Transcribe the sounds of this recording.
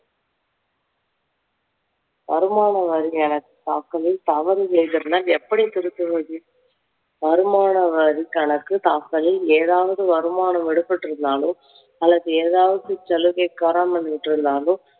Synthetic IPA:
ʋɐ̰ɾɯmaːnɐʋɐɾiɛnɐkːɯ̥t̪aːkːɐlɪlt̪ɐʋɐɾɯsɛjðɪɾɯnɐːlɛpːɐɽit̪ɪɾɯt̪ːɯʋɐðɯ | ʋɐɾɯmaːnɐʋɐɾikɐɳɐkːɯt̪aːkːɐlɪleːðaːʋɐðɯʋɐɾɯmaːɳɐmɪɽɯpːɐʈːɪɾɯnd̪aːlɯm | ɐlːɐðɯeːðaːʋɐðɯt͡ʃɛlɯɣɐɪkːaːɾaːmɐnːɯʋɪʈːɪɾɯnd̪aːlɯ̃

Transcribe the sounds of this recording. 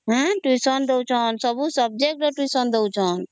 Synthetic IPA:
ɦãʈwisənd̪ewt͡ʃʰɔnsəbũsəb̚d͡ʒek̚ʈəʈwisənd̪et͡ʃʰɔn

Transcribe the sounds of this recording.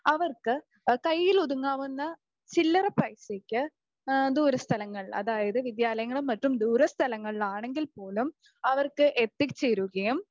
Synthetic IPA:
ɐʋɐrkɨ | kɐjːiluðuŋːaːʋunːɐ | t͡ɕilːɐrɐprɐjsekʲːɨ | d̪uːɾɐst̪ʰɐlɐŋːɐɭɐ̰ðaːjɐðɨʋid̪jaːlɐjɐŋːɐɭumːɐtːumd̪uːɾɐst̪ʰɐlɐŋːɐɭlaːɳe̞ŋɡilpo̞ːlum | ɐʋɐrkɨʔet̪ːikt͡ɕːeːɾuɣɐjum

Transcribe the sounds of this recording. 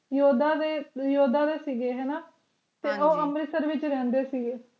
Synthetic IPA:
joːd̪aːd̪eːjoːd̪aːd̪eːsiːɡeːɦɛːnaː | t̪eːʔoːəmɾɪsəɾʋɪt͡ʃɾɛ̃ːnd̪eːsiːɡeː

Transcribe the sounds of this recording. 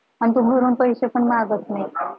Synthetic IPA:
ant̪ubʱəɾuːnpəjɕepəɳmaɡət̪nai

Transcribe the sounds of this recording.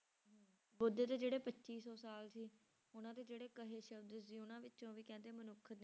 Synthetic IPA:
bʊd̪eːt̪eːd͡ʒeːɽeːpətːt͡ʃiːsɔːsaːlsiː | ʊnãːt̪eːd͡ʒeːɽeːkəɦeːʃəbd̪əsiːʊnãːʋɪt͡ʃːt͡ʃõːʋiːkɛ̃ːnd̪eːmənʊk̪ʰːneː

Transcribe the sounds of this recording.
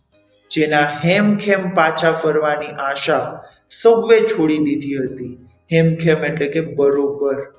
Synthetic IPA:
d͡ʒenaɦemkʰempat͡ʃʰafəɾʋaniʔaʃa | səɡʋet͡ʃʰoɽilid̪ʱiɦət̪i | hemkʰemeʈlekebəɾobəɾ

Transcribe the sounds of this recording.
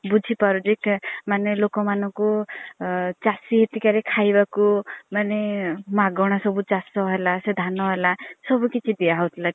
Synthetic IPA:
bud͡ʒʱipaɾudikmanelokɔmanɔŋku | t͡ʃasiɦet̪ikaɾekʰajbakumanemaɡɔɽ̃asɔbut͡ʃasɔɦelased̪ʱanɔɦelasɔbukit͡ʃʰid̪iaɦɔwt̪ʰila

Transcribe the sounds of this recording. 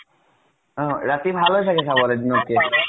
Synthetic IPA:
ɔ̃ɾat̪ibʱalojt̪ʰakesʰabɔɾed̪inoɾke

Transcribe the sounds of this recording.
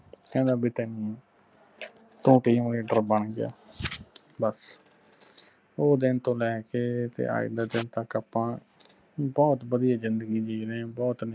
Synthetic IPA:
kɛ̃ːnd̪aːbiːt̪ɛːnĩː | t̪ũːʈiːmleːɖəɾbəɳɡɪja̰ː | bəs | oːd̪ɪnt̪õːlɛːkeːt̪ḛːʔa̰ːɪ̰d̪aːd̪ɪnt̪əkːaːpãː | bɔːt̪bəd̪ijaːzɪnd̪əɡiːd͡ʒiːɾebɔːt̪n

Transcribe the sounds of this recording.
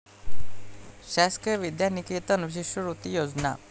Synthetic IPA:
ɕaskiʋid̪janiket̪ənuʋiɕiɕəɾut̪ijod͡zna̰

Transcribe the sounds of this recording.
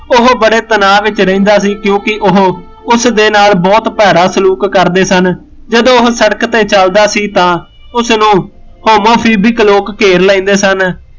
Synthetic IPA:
ʊɦbəɽeːt̪ənaːʋɪt͡ʃɾəĩːnd̪aːsiːkjõːkɪʔʊɦ | ʊsd̪eːnaːlbɔːt̪pɛːɾaːsəluːkːəɾd̪eːsən | d͡ʒəd̪õːʊɦsəɽəkt̪eːt͡ʃəld̪aːsiːt̪ãː | ʊsnũː | hoːmoːpʰiːbɪkloːkːeːɾləĩːnd̪eːsən

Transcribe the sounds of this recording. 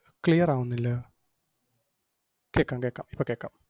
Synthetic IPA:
klijɐraːwunːilːɐ | keːkːaːmkeːkːa̰ːmipːokeːkːa̰ːm

